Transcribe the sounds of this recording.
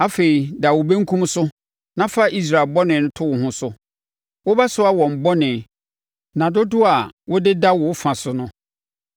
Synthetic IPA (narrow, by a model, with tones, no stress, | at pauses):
a˦fe˨i˨da˨wʊ˨be˦ŋ̩˦kʰũ˦m˦sʊ˦ | nã˨˦fa˦ʔi˦s̬ɾa˨lbɔ˦nɪ̃˨nʊ̃˦tʰʊ˦wʊ˨hʊ̃˦sʊ˦ | wʊ˦ba˦sʊ˦a˦˨wɔ̃˨m̩˨bɔ˦nɪ̃˨ | nã˨do˦dʊ˦a˨wʊ˦dɪ˦da˦wʊ˨˦fã˨sʊ˨nʊ̃˦